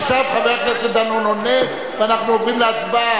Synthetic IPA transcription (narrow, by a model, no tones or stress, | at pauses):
ʃavχaveʁaknesed̪anonone | veanaχnuovinleat͡sba